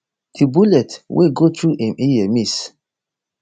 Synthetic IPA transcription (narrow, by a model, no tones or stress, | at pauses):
dibulɛtwʔḛɡotʰɹuʔɛ̃miɛmis